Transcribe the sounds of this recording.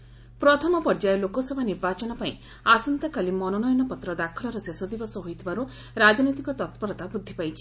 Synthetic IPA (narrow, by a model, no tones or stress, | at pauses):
pɾɔt̪ʰɔmɔpɔɾd͡ʒaelokɔsebʱaniɾbat͡ʃɔnɔpaĩ | asɔnt̪ɔkalimɔnɔnɔjɔnɔpɔt̪ɾɔd̪akʰɔlɔɾɔsesɔd̪ibɔsɔɦojt̪ʰibʱaɾu | ɾad͡ʒnɔjt̪ikɔt̪ɔt̪pɔɾɔt̪abud̪ʱːipajt͡ʃʰi̥